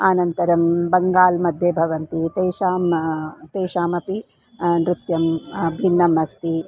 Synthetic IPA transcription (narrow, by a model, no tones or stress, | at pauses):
aːnɐnt̪ɐɾɐmbɐŋɡaːlmɐd̪ʱjebʱɐʋɐnt̪it̪eːʃaːmt̪eːjʃaːmɐpi | nɾut̪jɐmbʱinːɐmɐst̪i